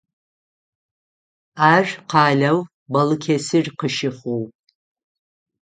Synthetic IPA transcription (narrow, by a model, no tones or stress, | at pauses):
aːʒʷᶣqʰɑːɮɐw | bɐlɨkʲʰesɪrqəʃɪχow